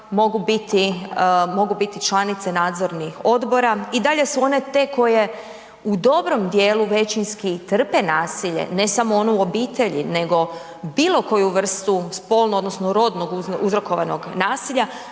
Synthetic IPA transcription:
mo̞ɡubit̪imo̞ɡubit̪it͡ʃlˠanit̪senaːd̪zo̞ɾnixo̞d̪bo̞ɾaid̪aʎe̞suo̞ne̞t̪e̞ko̞je | ud̪o̞bɾo̞md̪jeːluʋe̞t͡ʃinskit̪r̩pe̞naːsiʎe̞̰ne̞samoonouobiːt̪e̞ʎḭne̞ɡo̞ | biːlˠo̞ko̞juʋr̩st̪uspo̞lˠnuod̪nosnoɾo̞d̪no̞ɡuuzɾo̞ko̞ʋano̰ɡnaːsiʎa

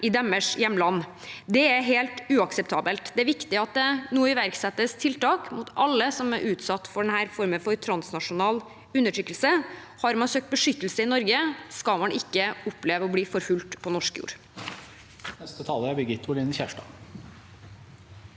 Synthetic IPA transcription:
ʔɪd̪ɛməʂjɛmːlɑnː | d̪ɛæɾɦeːlt̪ʉːɑksəpt̪ʰɑːbəlt̪d̪ɛæɾʋɪkt̪ɪɑt̪̚d̪ɛnuːəɪʋæɾksɛt̪ːəst̪ʰɪlt̪ɑːkmut̪ʔɑlːəsɔmæɾʔʉːt̪sɑt̪ːfɔɖɛnhæːɾfɔɾmənfɔɾt̪ʰɾɑnsnɑʂʊnɑːl | ʉnːəʈʰɾʏkːəlsə | hɑɾmɑnsøːk̚t̪̚bəʂʏt̪ːəl̩səɪnɔɾɡəskɑlmɑnʔɪkːəʊpːleːʋəɔbliːfɔɾfʉlt̪pʰɔnɔʂkjṵːɾ | nɛst̪ət̪ʰɑːləæbɛɡɪt̪ːʊlɪnəçæʂʈɑ̰ː

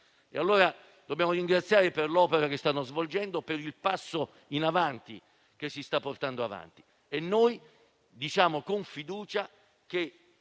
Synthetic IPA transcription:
ḛalːoːɾa | d̪objaːmoɾiŋɡɾat̪sjaːɾeperlɔːpeɾak̟est̪anːozvold͡ʒɛnd̪opeɾilpasːo | inavant̪ḭ | kesːist̪apːort̪and̪oava̰nt̪i̥ | enːoj | d̪it͡ʃaːmokoɱfid̪uːt͡ʃa | k̟e

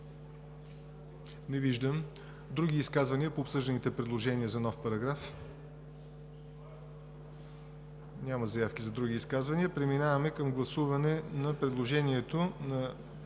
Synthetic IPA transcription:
nɛviʒd̪əm | d̪ɾuɡ̟iːskazvɐniəpoːpsɤʒd̪ənit̪ɛpɾɛd̪lˠoʒɛniəzɐnɔfpɐɾɐɡɾaf | nʲamɐzɐjafkʲizɐd̪ɾuɡ̟ʲiːskazvɐniəpɾɛminavɐmɛkəmɡlˠɐsuvɐnɛnɐpɾɛd̪lˠoʒɛniɛt̪onɐ

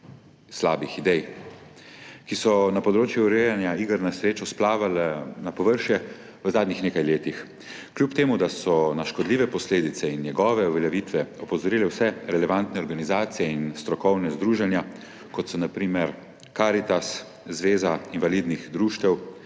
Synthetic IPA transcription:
slaːbixid̪ɛj | kisɔnapɔd̪ɾoːt͡ʃjuːɾejanjaiɡəɾnasɾeːt͡ʃɔsplaːʋalnapɔʋəɾʃjɛ | ʋəzaːd̪nixneːkajleːt̪ix | kljupt̪eːmud̪asɔnaʃkɔd̪liːʋɛpɔsleːd̪it̪sɛinːjɛɡɔːʋɛuʋɛljɛʋiːt̪ʋɛɔpɔzɔɾiːlɛwsɛɾɛlɛʋant̪nɛɔɾɡanizaːt̪sijɛinst̪ɾɔkɔwnɛzd̪ɾuːʒanja | kɔt̪sɔnapɾiːmɛɾ | kaːɾit̪as | zʋeːzainvalid̪nixd̪ɾuʃt̪ɛw

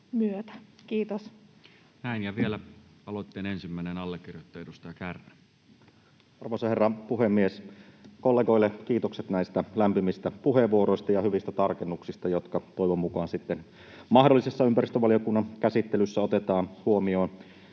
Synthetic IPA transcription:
myøt̪æ̥kiːt̪os | næinjɑʋielæ | ɑlot̪ːeːnensimːæˑinenɑlːekːirjot̪ːɑedust̪ɑjɑkærnæ | ɑrʋoisɑherːɑpuhemːieskolːeːɡo̞ilːekiːt̪okset̪næist̪ælæmpimist̪æpuheʋuoɾoist̪ɑjɑhyʋist̪æt̪ɑrkenːuksist̪ɑjot̪kɑt̪ojʋomːukɑːnsit̪ːen | mɑhdolːisesːɑympæɾist̪øʋɑlijokunːɑnkæsit̪ːelysːæot̪et̪ɑːnhuomio̞ːn

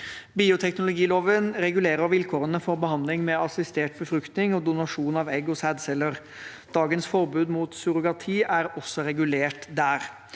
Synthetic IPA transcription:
biːʊt̪ʰɛknʊlʊɡiːloːʋənɾɛɡʉleːɾəɾʋɪlkʰoːɾənəfɔɾbəhɑnd̪lɪŋmɛɑsɪst̪eːʈbəfɾʉkt̪nɪŋɔd̪ʊnɑʂuːnɑʋɛɡɔsæːd̪sɛlːəɾ | d̪̥ɑːɡənsfɔɾbʉːd̪muːt̪sʉɾʊɡɑt̪ʰiːʔæɾɔsːɔɾɛɡʉleːʈd̪æːɾ

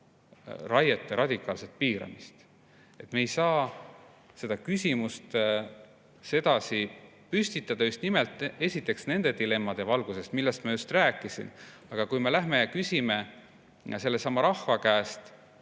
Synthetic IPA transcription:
rɑjet̪ːeɾɑd̪̥ʲikːˑɑːlse̞t̪̚piːɾɑ̰mist̪ | e̞t̪me̞ːjsɑː | se̞d̪ɑkysʲimust̪ | se̞d̪̥ɑsi | pysʲt̪it̪ːˑɑd̪ɑjust̪nimelt̪ːˑe̞sʲit̪ːˑe̞ksne̞nd̪̥e̞d̪ile̞mːɑd̪̥e̞vɑlɡ̥use̞st̪milːest̪mɑjust̪ræːkːˑisḭn | ɑɡ̥ɑkujme̞læɦme̞jɑkysʲime̞ | se̞lːesɑmːɑɾɑhvɑkæːst̪

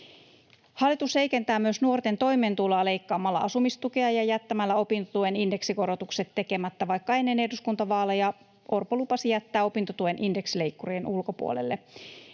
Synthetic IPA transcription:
hɑlːˑit̪ushe̞jkent̪æːmyøsnuo̞rt̪e̞nt̪o̞jme̞ːnt̪ulɑːle̞jkːɑːmːɑlːɑ̰ʔɑsumist̪ukeɑjɑjæt̪ːæmælːæo̞pint̪ot̪ueninde̞ksiko̞ɾo̞t̪ukse̞t̪ːe̞ke̞mæt̪ːæʋɑjkːɑenːe̞neduskunt̪ɑʋɑːlːejɑ | ʔo̞rpolupɑsijæt̪ːæːo̞pint̪ot̪uʋenʔinde̞ksile̞jkːuroenʔulko̞pṵo̰lḛlːe

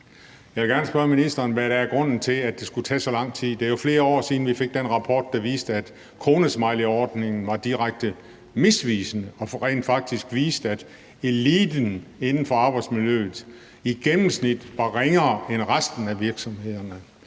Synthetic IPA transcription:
jɑ̈ʋelɡ̥æɐnəsb̥ɶɐminisd̥ɐːnʋæɾ̥ææɐɡ̥ʁɔ̽n̰n̩t͡sʰe̝læ̥d̥e̝sɡ̥ut͡sʰɛ̰ːsɒ̽lɑ̈ŋ̰t͡sʰið̰ˠd̥e̝æɐjo̝fle̝ːɐɒ̰ːsiːðn̩ʋife̝ɡ̥̚d̥enʁɑ̈pʰɒ̰ːd̥̚ːɑ̈ʋiːsd̥əæd̥ | kʰʁo̝ːnəsmɑɪliɒːd̥ne̝ŋn̩ʋɑ̈d̥iʁaɡ̥̚d̥ə | me̝sʋiːsənəɒ̽ʁḛːnd̥fɑ̈ɡ̥̚d̥isɡ̥ʋḭːsd̥æd̥ | e̝liːd̥n̩e̝nn̩fɒ̽ɑ̈ːb̥ɑ̈ɪd̥smiljø̰ːð̩ˠ | iɡ̥emm̩snid̥ʋɑ̈ʁeŋɐːenʁasd̥n̩æʋiɐɡ̥sɒ̽mhe̝ð̞̰ˠɐnə

